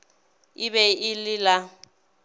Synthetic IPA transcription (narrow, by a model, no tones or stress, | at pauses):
ɪβɛɪlɪla